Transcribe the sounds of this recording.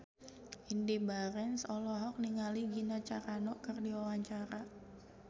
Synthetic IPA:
ʔindibaɾɛnsɔlɔɦɔk̚niŋaliɡinat͡ʃaɾanɔkɨrdiwawaɲt͡ʃaɾa

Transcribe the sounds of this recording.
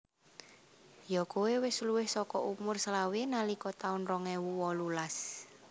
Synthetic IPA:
jɔkowewɪsluwɪhsɔkɔʔumʊrslawinalikɔt̪aʊnrɔŋɛwuwɔlulas

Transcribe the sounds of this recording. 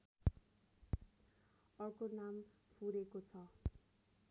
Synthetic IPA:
ʌrkonampʰuɾekot͡sʰʌ

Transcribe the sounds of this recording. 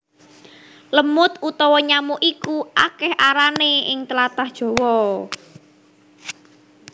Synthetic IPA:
ləmʊt̪ut̪ɔwɔɲamuʔikuʔakɛhʔaɾaneɪŋt̪əlat̪ahd̥ʒ̥ɔ̤wɔ

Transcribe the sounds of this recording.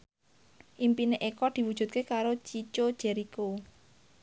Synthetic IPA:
ʔimpineʔekɔd̪̥i̤wudʒ̥ṳt̪̚kekaɾot͡ʃit͡ʃod̥ʒ̥ɛ̤ɾiko

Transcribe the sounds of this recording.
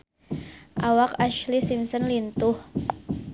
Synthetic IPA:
ʔawakaʃlisimsənlint̪ʊh

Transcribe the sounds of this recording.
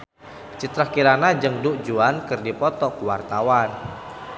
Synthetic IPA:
t͡ʃit̪ɾahkiɾanad͡ʒɨŋduʔd͡ʒuankɨrdipɔt̪ɔkuwa̰rt̪awan

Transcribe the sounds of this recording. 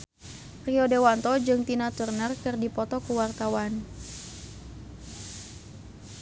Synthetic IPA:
riɔdewant̪ɔd͡ʒɨŋt̪inat̪ərnərkɨrdipɔt̪ɔkuwart̪awan

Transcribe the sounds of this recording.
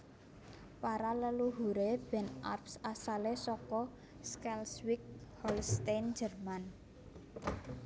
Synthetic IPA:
paɾaləluɦuɾeb̥ɛ̤na̰rpsasalesɔkɔ | skɛlswɪk̚hɔlst̪and͡ʒə̤rman

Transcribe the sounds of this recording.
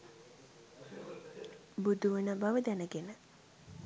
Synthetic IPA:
bud̪uʋənəbaʋəd̪ænəɡenə

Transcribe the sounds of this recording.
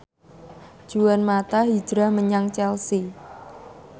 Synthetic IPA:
ʒ̥uwanmat̪aɦi̥d͡ʒ̥ɾahməɲaŋt͡ʃɛlsi

